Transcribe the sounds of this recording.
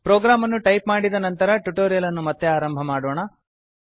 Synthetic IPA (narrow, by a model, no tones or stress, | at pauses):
pɾoːɡɾaːmɐnːuʈɐjpmaːɽid̪ɐnɐnt̪ɐɾɐʈuʈoːɾijɐlɐnːumɐt̪ːeaːɾɐmbʱɐmaːɽoːɳɐ